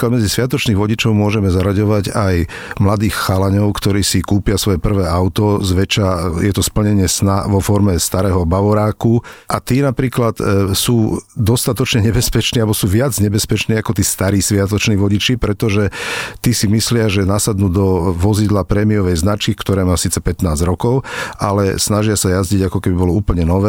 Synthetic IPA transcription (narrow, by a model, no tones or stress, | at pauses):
kad̪mɛd͡zisʋɪat̪ɔt͡ʃniːɣʋɔɟit͡ʃɔʊmʊɔʒɛmɛzaɾaɟɔʋaɟaj | mlad̪iːxxalaɲɔʊkt̪ɔɾiːsikuːpɪasʋɔjɛpr̩ʋɛːaʊt̪ɔzʋɛt͡ʃajɛt̪ɔspl̩ɲɛɲɪɛsnaʋɔfɔɾmɛst̪aɾɛːɦɔbaʋɔɾaːkuʔat̪iːnapɾiːklat̪suːd̪ɔst̪at̪ɔt͡ʃɲɛɲɛbɛspɛt͡ʃniːalbɔsuːʋɪad͡zɲɛbɛspɛt͡ʃniːakɔt̪iːst̪aɾiːsʋɪat̪ɔt͡ʃniːʋɔɟit͡ʃipɾɛt̪ɔʒɛt̪iːsimislɪaʒɛnasad̪nuːd̪ɔʋɔzid̪lapɾɛːmiɔʋɛjznat͡ʃkikt̪ɔɾɛːmaːsiːt͡sɛpɛt̪naːzɾɔkɔʊalɛsnaʒɪasajazɟiɟakɔkɛbibɔlɔuːpl̩ɲɛnɔʋɛː